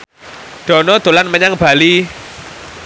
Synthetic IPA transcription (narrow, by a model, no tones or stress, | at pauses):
d̪̥ɔ̤nɔd̪̥o̤lanməɲaŋb̥a̤li